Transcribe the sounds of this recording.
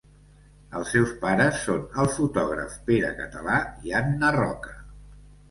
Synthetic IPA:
əlˠsɛwspaɾəsːonəlˠfut̪ɔɣ̞ɾə̰fpeɾə̰kət̪əlaianːərɔkə̥

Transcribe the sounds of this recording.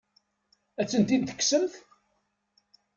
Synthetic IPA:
æt͡sːənt̪int̪ə̥kːsəmθ

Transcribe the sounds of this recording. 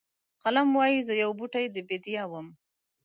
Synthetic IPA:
qalamwɑjizəjawbuʈajd̪əbed̪ijɑwəm

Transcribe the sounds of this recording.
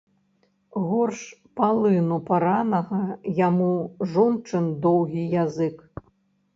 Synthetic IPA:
ɣɔrʂpalˠɨnupaɾanɐɣɐjamuʐɔnt͡ʂɨnd̪ɔwɣʲijazɨk

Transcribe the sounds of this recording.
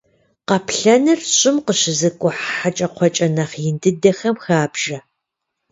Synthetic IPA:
qɑpʰɬɐnɨrɕʼɪmqəɕɪzɨkʷʼʊħħat͡ʃʼɐqʷʰɔt͡ʃʼɐnɐχjɪndɨdɐxɐmxaːbʒɐ

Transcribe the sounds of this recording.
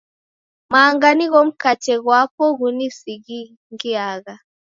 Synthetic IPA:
maːŋɡaniɣɔm̩kat͡ʃɛɣwapɔɣunisiɣi | ŋɡiaɣa

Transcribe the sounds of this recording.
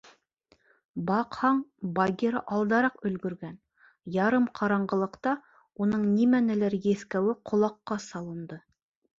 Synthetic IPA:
bɑqhɑɴbɑɡʲeɾɤʔɑlˠd̪ɑɾɑqɵ̆lɡɵ̆ɾɡæn | jɑɾɤmqʰɑɾɑɴɢɤ̆lˠɤ̆qt̪ɑ | unɤɴnimænælæɾjeθkæwɘqʰŏlˠɑqːɑsɑlˠɤ̆nd̪ɤ

